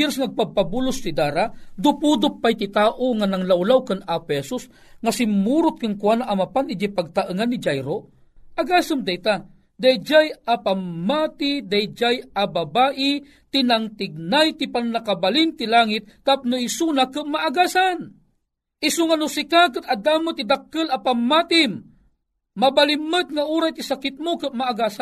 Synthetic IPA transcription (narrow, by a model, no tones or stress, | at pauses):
ɛɾsŋaaɡ̚papabulʊst̪id̪aːɾad̪ʊpud̪ʊpːajt̪it̪aːʔoŋanaŋlawlawkanaphɛsus | ŋasɪmːuɾʊt̪̚kankwanaʔamapanɪd͡ʒajpaɡ̚t̪aʔɨŋanːid͡ʒajɾo | ʔaɡaːsɨmd̪ajt̪a | d̪ajd͡ʒajapamːaːt̪id̪ajd͡ʒajababaːʔi | t̪inaŋt̪ɪɡ̚najt̪ipanːakabalint̪ilaːŋit̪̚ːap̚nuisunakɨʔmaaɡaːsan | ʔisuŋanʊsikak̬ɨt̪ad̪aːmɨt̪id̪akːɨlɐpamːat̪ɪmː | abalimːɨt̪̚ŋaʔuːɾajt̪isakɪt̪̚mokɨʔmaːɡaːsa